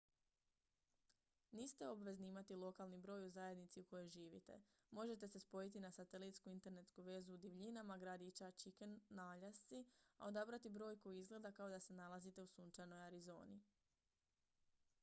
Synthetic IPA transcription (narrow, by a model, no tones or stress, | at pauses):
niːst̪eo̞bʋe̞zniimat̪ilˠo̞kalˠnibɾo̞ːjuzaje̞d̪nit̪siuko̞jo̞jʒiːʋḭt̪e̞̰ | mo̞ʒe̞t̪e̞se̞spo̞jit̪̬inasat̪e̞lit̪skuint̪e̞ɾne̞t̪skuʋe̞zuːd̪iʋʎinamaɡɾad̪it͡ʃat͡ʃikenːaʎast̪sia̰o̞d̪abɾat̪ibɾo̞ːjko̞iizɡled̪akao̞d̪ase̞nalazit̪e̞usunt͡ʃano̞jaɾizo̞̰ːni